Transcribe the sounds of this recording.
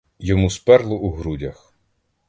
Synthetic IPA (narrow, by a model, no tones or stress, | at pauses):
jɔmuspɛrlˠɔʔuɦɾudʲɐx